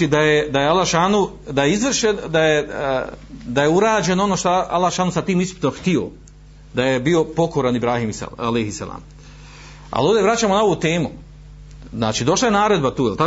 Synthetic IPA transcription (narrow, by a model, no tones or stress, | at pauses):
id̪ajed̪ajealːaʃanu | d̪ajeizʋr̩ʃend̪aje | d̪aje̞uɾaːd͡ʑe̞noono̞ʃt̪oʔa̰lːaʃaːnusat̪iːmisupi̥t̪omxt̪io̞̰ | d̪aje̞bio̞po̞ko̞ɾanibɾaːhimisalejhisa̰la̰ːm | a̰lo̞ːʋd̪eʋɾat͡ɕaːmo̞nao̞ʋot̪e̞ːmu | zna̰ːt͡ʃiːd̪o̞ʃlˠaje̞naːɾe̞d̪bat̪uːjelt̪a